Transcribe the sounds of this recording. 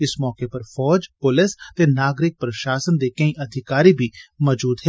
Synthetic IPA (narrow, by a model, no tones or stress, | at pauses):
ɪsmɔːkepɐɾfɔːd͡ʒpʊlɪst̪enaːɡɾɪk̚pɾɐʃaːsənd̪ekɐ̃ĩʔɐd̪ʱɪkaːɾibʱimɔːd͡ʒuːd̪ɦɛː